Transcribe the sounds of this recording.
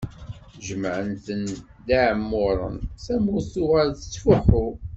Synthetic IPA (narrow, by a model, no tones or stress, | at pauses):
ʒəmʕənt̪ən | d̪aʕmːʊɾˤə̰nθæmʊθʊʁæɾθə̥t͡sːfuħʊ